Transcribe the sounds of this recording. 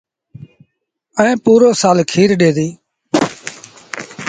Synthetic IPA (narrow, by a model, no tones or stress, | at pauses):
əẽːpuːɾoːsaːlkʰiːɾɗeːd̪iː